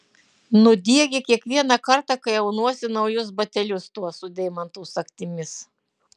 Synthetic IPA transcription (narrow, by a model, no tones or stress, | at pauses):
nʊd̪ʲiɛɡʲɛkʲiɛkʋʲiɛnɑkɐɾt̪ɑkɐɪɐʊnuɔsʲɪnɒʊjʊsbɐt̪ʲɛlʲʊst̪uɔsʊd̪ʲɛɪmɐnt̪oʊsɐkʲt̪ʲɪmʲɪs